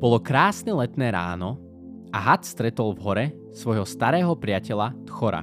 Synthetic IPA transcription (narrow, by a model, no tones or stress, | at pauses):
b̥ɔlɔkɾaːsnɛlɛt̪nɛːɾa̰ːnɔ | aɦat̪st̪ɾɛt̪ɔlvɦɔɾɛ | sʋɔjɦɔst̪aɾɛːɦɔpɾɪacɛlat̪xɔɾa̰